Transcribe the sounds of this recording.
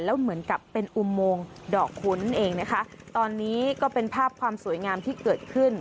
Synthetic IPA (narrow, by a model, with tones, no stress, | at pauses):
lɛː˦˥wmɯ˩˦ənka˨˩pːe˧nʔu˧moː˧ŋdɔː˨˩kʰːu˦˥nʔeː˧ŋna˦˥kʰa˦˥ʔ | t̪ɔː˧nːiː˦˥kɔː˥˩pe˧npʰaː˥˩p̚kʰwaː˧msu˨˩˦jŋaː˧mt̪ʰiː˥˩kɤː˨˩t̪̚kʰɯ˥˩n